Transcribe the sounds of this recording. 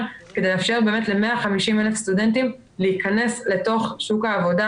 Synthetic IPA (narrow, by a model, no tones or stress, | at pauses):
kedejleafʃe̞ʁbe̞ːme̞tle̞me̞aχamiʃimele̞fst̪ude̞ntim | leikane̞sle̞to̞χʃukhaːvo̞da